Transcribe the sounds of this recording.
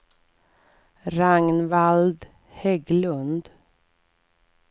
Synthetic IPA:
ɾaŋnvald̪ | hɛɡlɵnd̪

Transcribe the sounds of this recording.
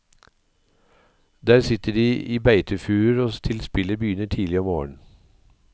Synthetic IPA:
d̪æːɾsɪt̪əɖiːʔiːbæɪt̪ʰəfʉːɾoːt̪ʰɪlspɪləbjʏnəʈʰiːlɪɔmo̰ːɳ̩

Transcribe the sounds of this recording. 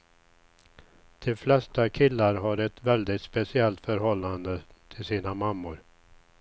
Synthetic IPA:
d̪̥ɛflɛst̪akʰɪlːaɾɦaɾɛt̪vɛld̪ɪt̪spɛsɪɛlt̪fœɾɦɔlːand̪ət̪ʰɪlsiːnamamːʊɾ

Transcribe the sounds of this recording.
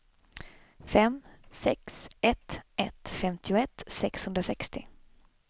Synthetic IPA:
fɛmsɛksɛt̪ʔɛt̪fɛmt̪ʰɪʊɛt̪sɛkshɵnd̪ɾasɛkst̪ɪ

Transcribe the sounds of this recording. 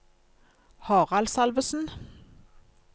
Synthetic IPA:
hɑːʁɑlsɑlʋəsn̩

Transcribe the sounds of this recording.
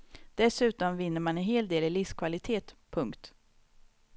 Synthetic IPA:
d̪̥ɛsʉ̟ːt̪ɔmvɪnːəɾmanɛnɦeːld̪eːlɪlɪfskʰvalɪt̪ʰeːt̪pʰɵŋkt̪

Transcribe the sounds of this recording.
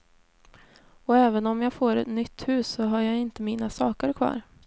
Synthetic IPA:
ɔɛːvənɔmjaːfoːɾɛ̰t̪nʏt̪ːhʉ̟ːsːɔɦaɾjaːɪnt̪əmiːnasɑːkəɾkʰvɑ̰ːɾ

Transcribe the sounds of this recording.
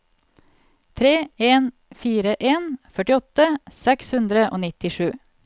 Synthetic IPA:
t̪ʰɾeːeːn | fiːɾəʔeːnfœʈɪɔt̪əsɛkshʉnd̪ɾəʔo̰ːnɪt̪ɪʂʉː

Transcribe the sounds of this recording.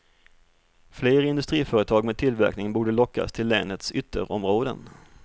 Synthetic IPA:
fleːɾaɪnd̪ɵst̪ɾiːfœːɾət̪ʰɑːɡmeːd̪̚t̪ʰɪlvæ̰ɾknɪŋbuːɖəlɔkːa̰st̪ʰɪlːɛ̰ːnət̪sʏt̪ʰːə̰ɾʔɔmɾoːd̪ə̰n

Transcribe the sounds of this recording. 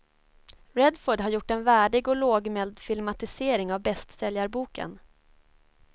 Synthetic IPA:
ɾɛd̪foːɖɦaɾjʊʈːɛnvæːɖɪɡɔloːɡmɛld̪fɪlmat̪ɪseːɾɪŋavbɛst̪sɛljaɾbuːkə̰n

